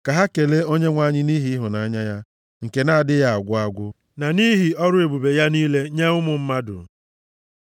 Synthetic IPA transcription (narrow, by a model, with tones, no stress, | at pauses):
ka˨ɦa˦ke˨le˦o˦ɲe˦ŋʷa˦ɲɪ˦ni˦ɦi˦ɦʊ˨na˨a˦ɲa˦ja˦ | ŋ̩˨ke˨na˦a˨dɪ˦ja˦a˨ɡʷʊ˦a˦ɡʷʊ˦ | na˨ni˦ɦi˨ɔ˦ɾʊ˦e˨bu˨be˨ja˦niː˦le˦ɲe˦ʊ˦mʊ˨m̩˦ma˦dʊ̰˨